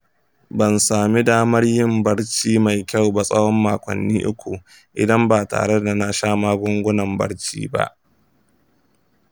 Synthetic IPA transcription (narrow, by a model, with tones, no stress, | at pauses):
bɐ˨nsaː˨mi˦daː˦mɐ˦rjɪ˦˨mbɐ˦ɽt͡ʃiː˦ma˨jkʲa˦˨wba˨sʼɐ˦wɔ˦mːaː˨kʷɐ̰˨nːiː˦ʔʊ̰˦kʷʰo˨ | ʔɪ̰˨dɐ˦mbaː˨ta̰ː˨ɽe˦da˨na˦ʃaː˦maː˦ɡʷʊ˦ŋɡʷʊ˦nɐ˨mbɐ̰˦ɽt͡ʃḭː˦ba̰˦ʔ